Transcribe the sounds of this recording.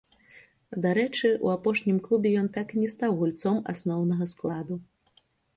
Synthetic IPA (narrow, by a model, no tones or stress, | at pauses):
d̪aɾɛt͡ʂɨṵapɔʂnʲimklˠubʲɛjɔnt̪akinʲɛst̪awɣulʲt̪sɔma̰snɔwnɐɣɐsklˠad̪u